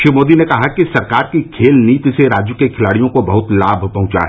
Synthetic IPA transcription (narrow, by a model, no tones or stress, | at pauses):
ʃɾimoːd̪inekɐɦakisɐɾkaːɾkikʰeːlniːt̪seɾaːd͡ʒjukekʰɪlaːɽijõkobɐɦʊt̪laːbʱpɐ̃ɦʊ̃t͡ʃa̰ɦɛ